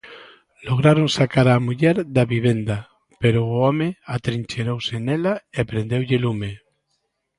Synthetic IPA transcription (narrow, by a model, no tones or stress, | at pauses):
loɣ̞ɾaɾoŋsakaɾamuʎɛɾd̪aβiβend̪a | peɾoːɔmeat̪ɾiɲʲt͡ʃeɾowsenɛlaepɾend̪ewʎɪlume